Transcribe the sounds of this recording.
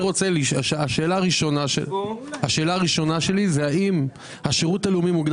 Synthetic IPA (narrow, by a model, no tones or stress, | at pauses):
ʁo̞t͡seliʃaʃaʃe̞ːlaːʁiʃo̞naʃḛaʃe̞ːlaːʁiʃo̞naʃe̞lizeaim | haʃeʁutaleumimuɡd